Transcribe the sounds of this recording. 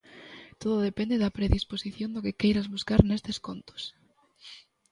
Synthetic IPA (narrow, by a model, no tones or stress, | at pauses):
t̪oðʊoðepend̪eðɐpɾeðisposiθjond̪okekejɾazβuskaɾnest̪eskont̪o̥s